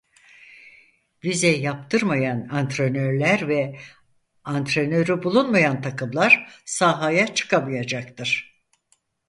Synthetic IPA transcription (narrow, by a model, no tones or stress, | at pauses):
vizɛjapt̪ʰɯɾmajanant̪ɾenøɾlʲæɾvɛ | ant̪ɾenø̞ɾybulˠunmajant̪ʰakɯmlˠaɾsaːɦajat͡ʃʰɯ̥kʰamajad͡ʒakt̪ʰɯɾ̥